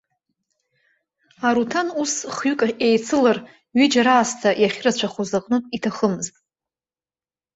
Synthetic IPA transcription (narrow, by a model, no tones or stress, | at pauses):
aɾutʰanusχɥykʼaejt͡sʰɨlar | ɥid͡ʒaɾaːstʰajaχʲrat͡ʃʷʰaχʷozaqʼnɨpʼitʰaχəmɨztʼ